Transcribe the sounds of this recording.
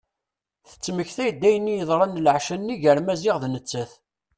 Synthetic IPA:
θə̥t͡sːməçθæjd̪ːæjənːijəðˤɾˤɑnlʕʃənːiʝəɾmæzɪʁðnət͡sːæθ

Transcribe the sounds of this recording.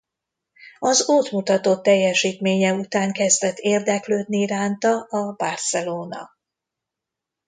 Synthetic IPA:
ɒzot̪mut̪ɒt̪oːt̪ːɛjːɛʃiːt̪meːɲɛut̪aːŋkɛzd̪ɛt̪ːeːrd̪ɛkløːd̪niraːnt̪ɒʔɒbarsɛloːnɒ̰

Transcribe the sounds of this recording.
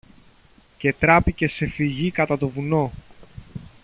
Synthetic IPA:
ce̞t̪ɾɐpice̞se̞fiʝikɐt̪ɐt̪o̞vuno̞

